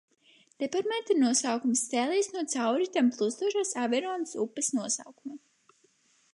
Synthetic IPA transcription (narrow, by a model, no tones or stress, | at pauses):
d̪̥ɛpaɾmɛt̪inuɔsawkumsːsɛːlˠiːsnuɔt̪sawɾit̪amplˠust̪uɔʒaːsavɛɾɔːnsupːɛsnuɔsa̰wkuma